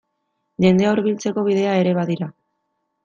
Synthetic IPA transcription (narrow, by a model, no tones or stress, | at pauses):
ʎe̞nd̪e̞auɾβilt͡se̞ko̞β̞iðe̞ae̞ɾe̞βaðiɾa